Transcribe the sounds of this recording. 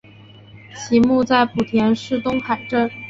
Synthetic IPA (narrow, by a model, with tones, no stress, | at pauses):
ɕʰi˧˥mu˥˧t͡sa˥˩ɪpu˨˩t̪ʰjɛ˧˥nʂɻ̩˥˩t̪ʊ˥ŋxa˨˩ɪʈ͡ʂə˥˩n